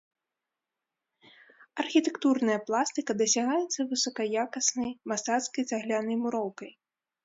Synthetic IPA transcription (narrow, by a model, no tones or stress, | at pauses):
ɐrxʲit̪ɛkt̪urnɐjɐplˠast̪ɨkɐd̪ɐsʲaɣajɛt̪sːɐvɨsɔkɐjakɐsnɐjmast̪at̪skɐjt̪aɣlʲanɐjmuɾɔwkɐj